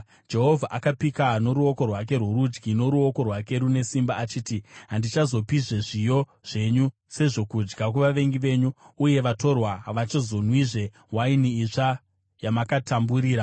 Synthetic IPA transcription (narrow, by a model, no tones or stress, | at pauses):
d͡ʒe̞ɦo̞vʱaʔakapikano̞ɾuo̞ko̞rwak̬e̞rwuɾud͡ʒɡino̞ɾuo̞ko̞rwake̞ɾune̞simbaːt͡ʃiːtiɦandit͡ʃazo̞piʐeʐijo̞ | ʐ̥e̞ɲu | se̞ʐo̞kud͡ʒɡak̬uʋaʋe̞ŋɡiʋe̞ːɲuːje̞ʋato̞rwaʋat͡ʃozo̞nwiʐe̞ | wainiːʂa | jamakatʰambuɾiːɾa